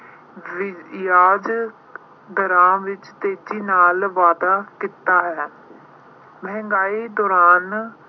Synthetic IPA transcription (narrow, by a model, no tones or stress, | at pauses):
ʋɪjaːd͡ʒ | d̪əɾãːʋɪt͡ʃt̪eːd͡ʒiːnaːlʋaːd̪aːkɪt̪aːɦɛː | mɛɛ̃ŋɡaːiːd̪ɔːɾaːn